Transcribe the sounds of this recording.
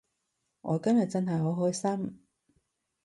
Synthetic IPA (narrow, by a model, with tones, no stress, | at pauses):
ŋʔɔ̰ː˨˧kɐ˥mjɐ˨t̚t͡sɐ˥nɦɐ˨jɦo˨˥wɦɔː˥jsɐ˥m